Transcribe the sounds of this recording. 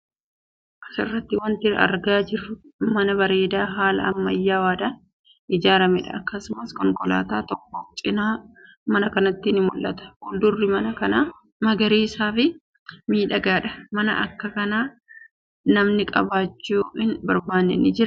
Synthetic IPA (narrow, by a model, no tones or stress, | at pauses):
ɐkːɐ̥sɪ̰rːɐt̪ːɪwɐnt̪ɪɾ̰ɐ̰ɾɡaːd͡ʒɪrːʊmɐnɐbɐɾe̞ːd̪aːɦaːlɐ̰ɐmːɐjːaːwaːd̪ɐ | ʔɪd͡ʒaːɾɐmɛᶑɐ̰ɐkːɐsʊmɐskɔŋkʼɔla̰ːt̪aːt̪ɔkːɔft͡ʃʼɪnaː | mɐnɐkɐnɐt̪ːɪnɪmʊlʔɐt̪ɐ̥hʊld̪ʊrːɪmɐnɐkɐnaː | mɐɡɐɾiːsaːfɪ | miːᶑɐɡaːᶑɐ̥mɐnɐ̰ʔɐ̰kːɐkɐnaː | nɐmnɪkʼɐ̰baːt͡ʃːuːɪnbɐɾbaːnːɛ̰nɪd͡ʒɪɾɐ